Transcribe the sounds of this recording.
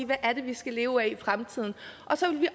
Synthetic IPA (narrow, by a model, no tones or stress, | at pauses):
ʋæʔæɐɾ̥e̝ʋisɡ̥æle̝ːʊæifʁamt͡sʰið̞̰ˠn̩ʔɒ̽sɒʋe̝lʋiʔ